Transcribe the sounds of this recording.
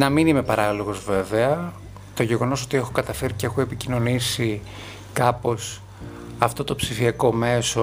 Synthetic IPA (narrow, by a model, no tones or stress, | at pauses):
nɐminime̞pɐɾɐlo̞ɣo̞zve̞ve̞ɐ | t̪o̞ʝe̞ɣo̞no̞so̞t̪ie̞xokɐt̪ɐfe̞ɾiceexue̞picino̞nisi | kɐpo̞s | ɐft̪o̞t̪o̞psifiɐko̞me̞so